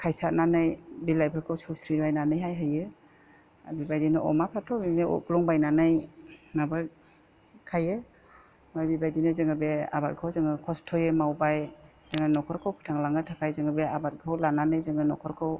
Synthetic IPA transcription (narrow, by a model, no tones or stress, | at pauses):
kʰajsat̚nanɯjbilajpʰɯɾkʰɯwsɯwsɾiajnanɯjɦajɦɯjɯ | bibajdinɯʔɔ̰mapʰatʰɔbineɔ̰klɔŋbajnanɯjnaba | kʰajɯ | majbibajdinɯzɯŋɯbea̰bat̚kʰawzɯŋɯkʰɔstʰɔjɯmawbajz̥ɯŋɯnɔkʰɔɾkʰɯwpʰɯ̥tʰaŋlaŋɯtʰakʰajzɯŋɯbeabat̚ɡʰawlananɯjzɯŋɯnɔkʰɔɾkʰɯw